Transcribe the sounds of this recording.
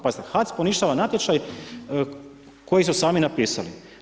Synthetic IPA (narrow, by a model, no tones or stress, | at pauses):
pazit̪exat̪sponiʃt̪aʋanat̪ʲjet͡ʃ̪aj | ko̞jisusaːminapiːsa̰lḭ